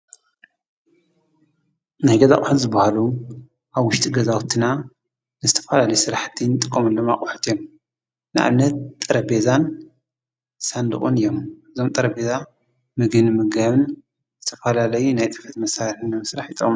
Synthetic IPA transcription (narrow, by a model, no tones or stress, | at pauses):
najɡɐza̰kʼħut̪zɨbahalu | ʔaβwʊʃt̪ʼiɡɐzawt̪ʰɨna | nɨzɨt̪ʰɐ̥fɐlalɐjsɨɾaħt̪ʰint̪ʼɨkʼːomɨnloma̰kʼʊħu̥t̪ʰijom | nɨʔa̰mnɐt̪ʼːɐɾɐbe̞zan | sand̪ɨ̰χʼonɨjːo̞mɨzomt̪ʼɐɾɐbe̞za | mɨɡɨnɨmɨɡaβɨn | zɨt̪ʰɐfɐlalɐjunajt̪ʼɨfɐt̪mɐsaɾħɨnːɨmɨsɾaħjɨt̪ʼɐkʼm